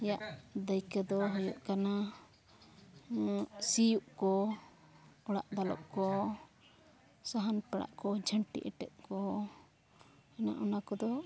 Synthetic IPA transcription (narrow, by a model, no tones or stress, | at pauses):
ɛjaʔd̪əjkɛd̪ɔɦɔjuʔkana | sijuʔkɔ | ɔɽa̰ʔd̪alɔ̰ʔ̚kɔ | saɦanpɛɽa̰ʔkɔd͡ʒʱəɳʈḭʔɛʈɛ̰t̪̚kɔ | ɛna̰ʔɔnakɔd̪ɔ